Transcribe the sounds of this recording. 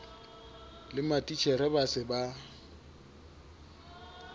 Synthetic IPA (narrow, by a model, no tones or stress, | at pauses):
lɪmatʼit͡ʃʰɛɾɛbasɪba